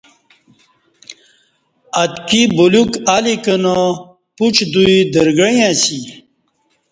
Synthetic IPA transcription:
ɐt̪kibulukalikəno | put͡ɕd̪uid̪əɾɡəjãːsi

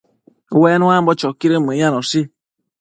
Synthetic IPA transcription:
wɛnũambɔt͡ʃɔkiɾemejanɔsi

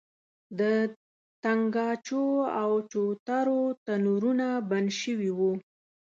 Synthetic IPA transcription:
d̪ə | t̪aŋɡɑt͡ʃoawt͡ʃot̪aɾot̪anuɾunabanʃəwiwu

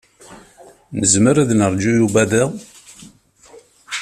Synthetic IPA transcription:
nəzməɾæðnəɾˤd͡ʒujubæðæ

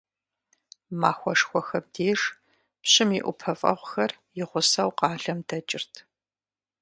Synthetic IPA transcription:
maːxʷɔʂxʷɔxɐb̚deːʂ | pɕɪmiʔʷʊ̰pʰɐfʼɐ̰ʁʷxɐrjɪʁʷʊsɐwqɑːɮɐmdɐt͡ʃʼɪrtʰ

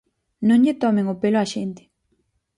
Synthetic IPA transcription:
nõŋʎɪt̪ɔmɪŋopelʊaʃent̪ɪ̥

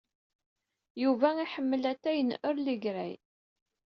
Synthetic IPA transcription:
juvæiħəmːəlæt̪ːæjənʊɾliɡɾæ̰j

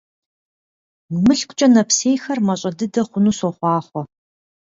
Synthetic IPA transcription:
mɨɬkʷʼt͡ʃʼɐnɐpseːjxɐrmɐɕʼɐdɨdɐχʷʊnuːsɔχʷɑːχʷɔ

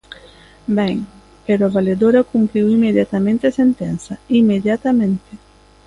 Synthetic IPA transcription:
bɛŋ | peɾɔvaled̪oɾakumpɾiwimːed̪jat̪amẽnt̪esent̪ɛnsaimːed̪jat̪amẽnt̪e

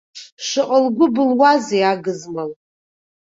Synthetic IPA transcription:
ʃʷɨqʼəlɡʷʊbɨlwazijaɡɨzmɨl

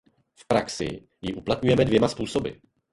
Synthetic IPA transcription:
fpɾaksɪ̰ | jɪʔuplat̪ɲujɛmɛdvjɛmaspuːso̞bɪ̰

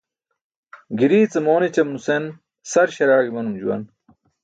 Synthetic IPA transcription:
ɡiɾiːt͡sɐmoːnet͡ɕɐmnusen | sɐɾɕɐɾaːɡimɐnumd͡ʑṵwɐ̰n

